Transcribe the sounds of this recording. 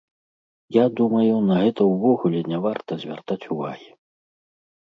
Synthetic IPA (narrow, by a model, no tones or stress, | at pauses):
jad̪umɐjunɐɣɛt̪ɐwvɔɣulʲɛnʲavart̪ɐzʲvʲa̰rt̪at͡sʲuva̰ɣʲi